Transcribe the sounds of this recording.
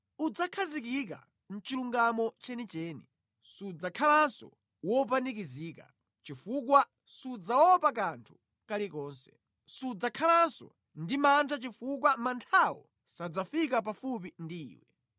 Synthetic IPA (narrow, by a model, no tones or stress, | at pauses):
ud͡zakʰazik̬ik̬a̰ | n̩t͡ʃiluŋɡamɔt͡ʃɛnit͡ʃɛːni | sud͡zakʰalansɔ̰ | wɔpanik̬iziːka̰ | t͡ʃifuk̬wa | sud͡zawɔpakantʰu̥ | kalikɔːnsɛ̥ | sud͡zakʰalansɔ̰ | ndimantʰat͡ʃifuk̬wamantʰawɔ̰ | sad͡zafik̬apafup̬indḭːwɛ